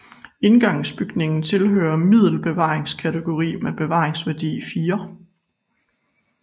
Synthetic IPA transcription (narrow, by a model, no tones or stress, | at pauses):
e̝nɡ̥ɑ̈ŋsb̥yɡ̥ne̝ŋn̩t͡sʰe̝lɦø̰ːɐmið̰ˠl̩b̥e̝ʋɑ̰̈ːʁeŋskʰæt͡sʰeɡ̥o̝ʁḭːmeb̥e̝ʋɑ̈ːʁeŋsʋæɐd̥ḭfiːɐ